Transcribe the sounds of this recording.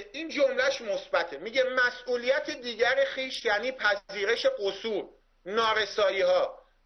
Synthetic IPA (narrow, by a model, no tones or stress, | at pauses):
iːnd͡ʒomlæʃmo̞sbæt̪ʰe̞miɟe̞mæsʔuːlijæt̪ʰed̪iːɟæɾexiːʃjæːniːpʰæiːɾe̞ʃe̞ɢosuːɾ | nɒːɾe̞sɒːjiːɦɒː